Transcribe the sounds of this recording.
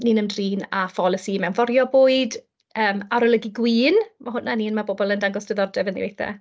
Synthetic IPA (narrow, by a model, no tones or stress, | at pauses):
niːnəmdriːnafɔlˠəsimɛwnvɔɾjɔboːɨd | əːmaɾɔlˠəɡiɡwiːnmaɦʊnːaniːnmabobɔlˠəndaŋɡɔsd̥ɪðɔdɛvəndḭvḛjθɛ̰